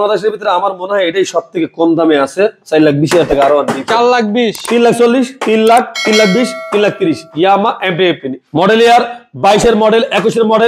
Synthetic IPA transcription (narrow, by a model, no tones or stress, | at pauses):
ad̪eʃeɾbʱit̪oɾeamaɾmoneɦajeʈajʃɔb̚t̪ʰekekond̪ameasʰesajlak̚biʃ̬ijaɾt̪ʰekeaɾoaniallak̚biʃt̪inlak̚ʰt͡ɕolːiʃt̪inlak̚ʰt̪inlak̚ʰbiʃt̪inlak̚t̪iɾiʃjamaʔemɖiepinimɔɖelejaɾbajʃeɾmɔɖelʔɛkuʃeɾmɔɖel